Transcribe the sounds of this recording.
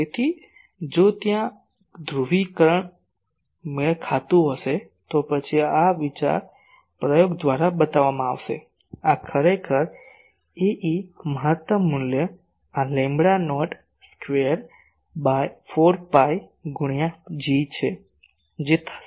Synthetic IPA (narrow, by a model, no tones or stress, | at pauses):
et̪ʰi | d͡ʒot̪jã | d̪ɾuɦikəɾəɳ | meɭkʰat̪ũɦəʃe | t̪opət͡ʃʰiaʋit͡ʃa̰ɾ | pɾəjoɡd̪ʋaɾabət̪aʋamãaʋʃḛ | akʰəɾekʰəɾ | eʔiməɦət̪ːəmːuljə | ãlɛ̃mbɽanɔʈ | skʋeəɾ | bajfʰoɾpajɡʊɳ̃jad͡ʒit͡ʃʰe | d͡ʒet̪ʰə̥